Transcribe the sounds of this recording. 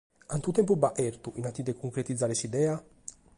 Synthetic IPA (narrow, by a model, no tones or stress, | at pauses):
ant̪ut̪ɛmp̬ubaʔɛɾt̪uʔinat̪ːid̪ɛkʰuŋkɾet̪id̪zːaːɾesid̪ɛːa